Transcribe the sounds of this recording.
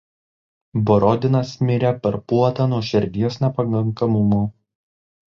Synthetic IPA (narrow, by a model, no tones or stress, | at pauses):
bɔɾɔd̪ʲɪnɐsmʲɪɾʲɛpʲɐɾpuɔt̪ɐnuɔʃʲɛɾʲd̪ʲijosnʲɛpɐkɐŋkɐmʊmuː